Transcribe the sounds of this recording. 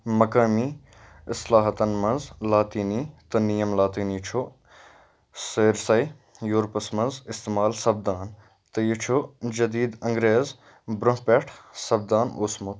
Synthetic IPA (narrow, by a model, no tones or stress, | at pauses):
mɐkaːmiː | ɪslaːɦɐt̪ɐnmɐnzlaːt̪iːnit̪ɐnijɐmlaːt̪iːniːt͡ʃʰo | seːɾsɐj | joːɾpɐsmɐnzɪst̪eːmaːlsɐb̚d̪aːn | t̪ɐjit͡ʃʰod͡ʒɐd̪iːd̪ɐŋɡɾeːz | bɾʊɦpʲeʈʰsɐb̚d̪aːnosmʊt̪